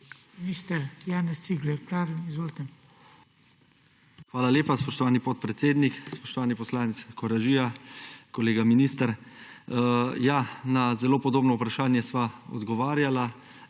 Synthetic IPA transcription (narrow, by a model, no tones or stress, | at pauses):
minist̪ɛɾjaːnɛst̪iɡlɛɾpɾaːʋimizʋoːlt̪ɛ | xʋaːlaljeːpaspɔʃt̪ɔʋaːnipɔt̪̚pɾɛt̪seːd̪nikspɔʃt̪ɔʋaːnipɔslaːnit̪skʰɔɾaʒijakɔleːɡaminiːst̪aɾ | janazɛloːpɔd̪oːbnɔupɾaʃaːnjɛsʋaɔ̰d̪ɡɔʋaːɾjala